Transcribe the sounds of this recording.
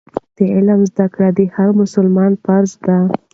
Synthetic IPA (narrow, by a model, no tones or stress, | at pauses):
d̪̥əɪlamzd̪akɽad̪ihaɾmʊsʊlmɑnfaɾzd̪a